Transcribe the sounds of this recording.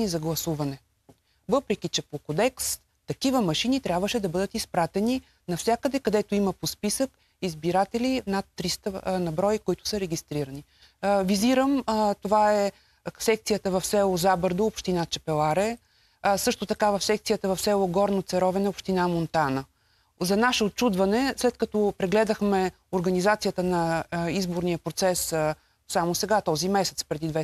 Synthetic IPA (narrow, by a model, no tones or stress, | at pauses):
nizɐɡlˠɐsuvɐnɛ | vɤpɾɛkʲit͡ʃɛpokod̪ɛks | t̪ɐkivəmɐʃinit̪ɾʲabvəʃɛd̪ɐbɤd̪ət̪ispɾat̪ɛni | nɐfsʲjakəd̪ɛkɐd̪ɛt̪oimɐpospisək | izbiɾat̪ɛlinat̪ːɾist̪ənɐbɾɔjikoit̪ʊ̥səɾɛɡʲist̪ɾiɾɐni | viziɾəmt̪ovaɛ | sɛk̚t̪sijət̪əvɐfsɛlˠʊzabəɾd̪oːpʃt̪inat͡ʃɛpɛlˠaɾɛ | sɤʃt̪ʊt̪ɐkavɐfsɛk̚t̪sijət̪əvɐfsɛlˠoɡɔɾnot̪sɛɾɔvɛnɛopʃt̪inamont̪anə | zɐnaʃɛot̚t͡ʃud̪vɐnɛslɛt̪̚kɐt̪ɔpɾɛɡlɛd̪əxmɛ | oɾɡɐnizat̪sijət̪ənɐizboɾnijəpɾot̪sɛs | samosɛɡat̪ɔzimɛsɛt̪spɾɛd̪id̪vɛ